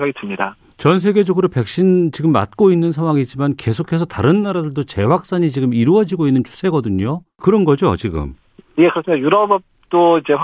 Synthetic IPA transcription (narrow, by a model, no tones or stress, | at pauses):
ɡaɡitɯmɲida̰ | t͡ɕʌns̬ʰe̞ɡe̞d͡ʑʌɡɯɾope̞k̚ɕ͈int͡ɕiɡɯmːa̰t̚k͈oinːɯns̬ʰaŋwaŋit͡ɕimanke̞sʰokʰe̞sʰʌtaɾɯnːaɾadɯɭdot͡ɕe̞wak̚s͈aɲit͡ɕiɡɯmiɾuʌd͡ʑiɡoinːɯnt͡ɕʰu̥sʰe̞ɡʌdɯɲo | kɯɾʌnɡʌd͡ʑot͡ɕiɡɯ̰m | jekɯɾʌsɯmidajuɾʌbp̚t͈oid͡ʑeɸ